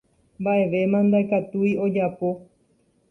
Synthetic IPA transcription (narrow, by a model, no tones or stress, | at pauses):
mbaʔe̞ʋe̞mãnd̪aekat̪uio̞d͡ʒapo̞